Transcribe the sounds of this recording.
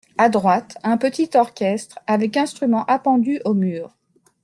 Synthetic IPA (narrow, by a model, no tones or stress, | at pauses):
ad̪ʁwat̪ɛ̃pət̪it̪ɔʁkʲɛst̪χavɛkɛ̃st̪χymɑ̃ʔapɑ̃d̪yʔomyːʁ